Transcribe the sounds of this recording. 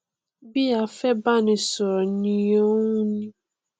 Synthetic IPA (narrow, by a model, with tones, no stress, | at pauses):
bi˦a˨fɛ˦ba˦˨nɪ˨sɔ˨ɾɔ˨ni˨o˦ŋu˦nĩ˦